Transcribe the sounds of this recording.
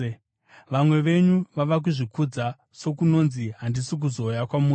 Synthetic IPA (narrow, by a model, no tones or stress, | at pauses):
ʋamwe̞ʋe̞ɲuʋaʋak̬uʐikud͡za | so̞kuno̞nziɦandisik̬uzo̞ːjakwamuː